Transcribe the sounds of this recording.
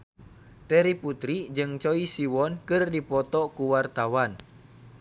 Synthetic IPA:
t̪ɛɾiput̪ɾid͡ʒɨŋt͡ʃɔisiwɔnkɨrdipɔt̪ɔkuwart̪awan

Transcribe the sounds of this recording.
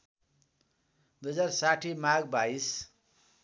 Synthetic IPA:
d̪ujd͡zarsaʈʰimaɡbais

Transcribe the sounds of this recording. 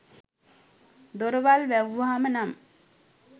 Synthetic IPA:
d̪oɾoʋalʋæʋʋɦamənam

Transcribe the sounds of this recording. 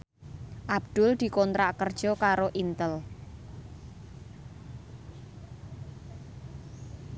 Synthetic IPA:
ʔab̚d̪̥ʊld̪̥i̤kɔnt̪ɾaʔkərd̥ʒ̥ɔ̤kaɾoʔint̪əl

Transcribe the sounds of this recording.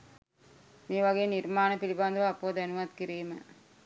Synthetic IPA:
miːʋɐɡejniɾmaːnɐpiliband̪ɐʋaːpːoːd̪ænuʋɐt̪kiɾiːmɐ̰

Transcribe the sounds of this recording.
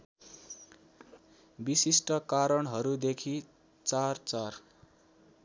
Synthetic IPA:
bisisʈʌkaɾʌɳɦʌɾud̪ekʰi | t͡sart͡sar

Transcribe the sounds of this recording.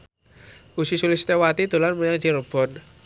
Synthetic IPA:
usisulɪst̪ewat̪id̪̥ṳlanməɲaŋd͡ʒiɾəb̥ɔ̤n

